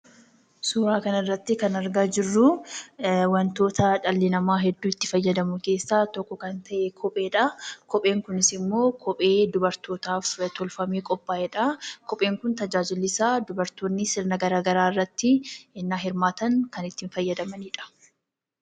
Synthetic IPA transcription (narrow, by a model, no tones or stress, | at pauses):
sʊːɾaːkɐnɪrːɐt̪ːɪkɐnɐɾɡaːd͡ʒɪrːʊ | wɐnt̪o̞ːt̪ɐᶑɐlːɪnɐmaːɦɛd̪ːuːɪt̪ːɪfɐjːɐd̪ɐmʊke̞ːsːaːt̪ɔkːɔkɐnt̪ɐʔekʰɔpʼe̞ːᶑɐkɔpʼe̞ːŋkʊnɪsɪmːo̞ːkʰɔpʼe̞ːd̪ʊbɐɾt̪o̞ːt̪aːft̪ɔlfɐmeːkʼɔpʼːaːʔɛᶑɐkɔpʼe̞ːŋkʊnt̪ɐd͡ʒaːd͡ʒɪlːɪsaːd̪ʊbɐɾt̪oːnːɪsɪɾnɐɡɐɾaːɡɐɾaːɪrːɐt̪ːɪɪnːaːɦɪɾmaːt̪ɐŋkɐnɪt̪ːɪnfɐjːɐd̪ɐmɐniːᶑɐ̥